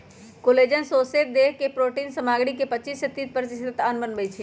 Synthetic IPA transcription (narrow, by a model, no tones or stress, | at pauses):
koleːd͡ʒənsoːseːt̪̚d̪eːɦkepɾoːʈiːnsɐmaːɡɽikepət͡ʃiːsːet̪ːiːt̪̚pəɾt̪ɪst̪aːnbənbeit͡ʃʰi